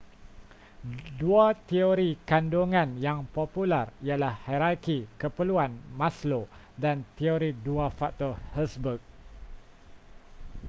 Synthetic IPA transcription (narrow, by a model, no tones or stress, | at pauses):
duat̪ioɾikandoŋãnjaŋpopularialahhaɾakikəpəluanmãslo | dant̪ioɾiduafak̚t̪ɔhɛsbuk̚